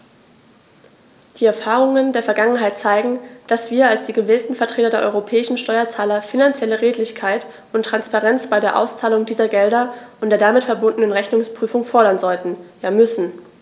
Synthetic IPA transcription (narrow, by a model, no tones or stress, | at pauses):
d̥iːɛɐfaːʁʊŋəndeːɐfɛɐɡaŋənɦaɪt̚t͡saɪɡŋ̩d̥asv̥iːɐalsd̥iːɡəveːltn̩fɛɐtʁ̥eːtɐdeːɐʔɔ̰ʏʁopʰɛːɪʃn̩ʃtɔʏɐt͡saːlɐfinant͡sjɛləʁeːtlɪçkʰaɪt | ʔʊntʁ̥anspaʁɛnt͡sb̥aɪɾeːɐʔa̰ʊst͡saːlʊŋdiːzɐɡɛldɐʔʊntd̥eːɐdamɪtfɛɐbʊndənənʁɛçnʊŋspʁ̥yːfʊŋfɔɐɾɐnzɔltn̩jaːmʏsn̩